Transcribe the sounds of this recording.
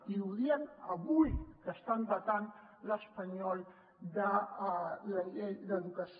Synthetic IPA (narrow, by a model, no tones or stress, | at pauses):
iuðiənəβujkəst̪anb̪ət̪an | ləspəɲɔlˠ | d̪ə | ləʎejðəðukəs